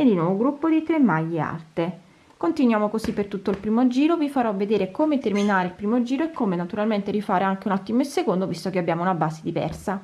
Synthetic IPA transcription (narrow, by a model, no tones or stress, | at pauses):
ed̪inɔvoɡɾupːod̪it̪ɾemːajːea̰lt̪e | kont̪inwjaːmokosipːert̪ut̪ːoilpɾiːmod͡ʒiːɾovifaɾɔved̪eːɾekoːmet̪erminaːɾeilpɾiːmod͡ʒiːɾoekːomenat̪uɾalment̪eɾifaːɾeaŋk̟eunɔt̪ːimoesːekond̪ovist̪okeabːjaːmounabaːzed̪ivɛ̰rsa